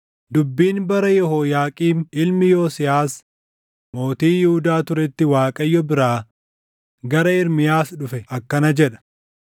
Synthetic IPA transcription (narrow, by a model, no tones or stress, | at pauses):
d̪ʊbːiːnbɐɾɐjɔɦoːjaːkʼiːnʔɪlmɪjoːsɪjaːs | mo̞ːt̪iːjɪhʊd̪aːt̪ʊɾɛt̪ːɪwaːkʼɐjːɔbɪɾaː | ɡɐɾɐɪɾmɪjaːsᶑʊfɛʔɐkːɐnɐd͡ʒɛᶑɐ̥